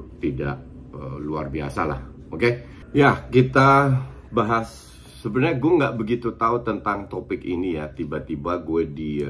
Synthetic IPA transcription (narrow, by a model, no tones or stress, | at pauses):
t̪ida̰ʔə̰luarbia̰sala̰h | oke | jakit̪a | baɦasː | əbənaɲaɡueŋɡaʔbəɡit̪ut̪aut̪ənt̪aŋt̪opɪkḭnijat̪ibat̪ibaɡuɛdi